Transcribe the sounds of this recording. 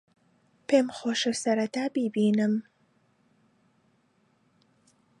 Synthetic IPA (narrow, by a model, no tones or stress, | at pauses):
pemxoːʃesɐɾat̪aːbibiːnɨm